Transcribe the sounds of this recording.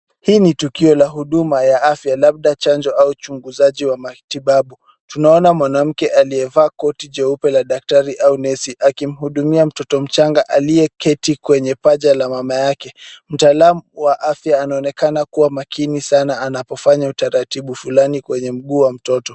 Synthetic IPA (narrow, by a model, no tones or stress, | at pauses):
hiːnitukiɔlaɦuɗumajaafjalaɓ̚ɗat͡ʃand͡ʒɔʔaut͡ʃuŋɡuzaʄiwamatiɓaɓu | tunaɔnamwanam̩kɛʔaliɛvaːkɔtid͡ʒɛupɛlaɗak̚taɾiʔaunɛsiʔakim̩ɦuɗumiam̩tɔtɔm̩t͡ʃaŋɡaʔaliɛkɛtikwɛɲɛpaʄalamamajakɛm̩taːlamuwaʔafjaːnaɔnɛkanakuwamakinisanaːnapɔfaɲautaɾatiɓufulanikwɛɲɛm̩ɠuːwam̩tɔtɔ